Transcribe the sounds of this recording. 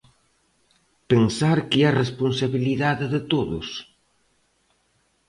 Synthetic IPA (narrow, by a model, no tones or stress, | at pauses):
pensaɾkɪaresponsaβiliðaðɪðɪt̪oðʊ̰s